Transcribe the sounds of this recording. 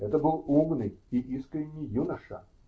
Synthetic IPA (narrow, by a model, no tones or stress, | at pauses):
ɛt̪əbɨlˠumnɨjiʔiskɾʲɪnʲɪjunɐʂɐ̰